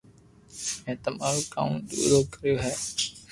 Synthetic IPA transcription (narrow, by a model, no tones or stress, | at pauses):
mɛ̃ːt̪əmaːɾuka̰ʊ̃ɳɗṵːd̪oːkəɾijoːɦɛː